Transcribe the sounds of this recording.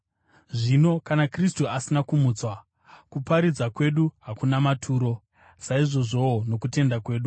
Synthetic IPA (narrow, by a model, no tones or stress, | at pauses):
ʐino̞kanakristuasinakumuːt͡swa | kupaɾid͡zakwe̞ɗuɦakunamatʰuːɾo̞ | saiʐo̞ʐo̞ono̞kute̞ndakwe̞ːɗu